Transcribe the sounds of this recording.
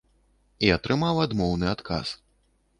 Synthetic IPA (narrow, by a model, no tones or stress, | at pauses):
iat̪ɾɨmawad̪mɔwnɨat̪kʰa̰s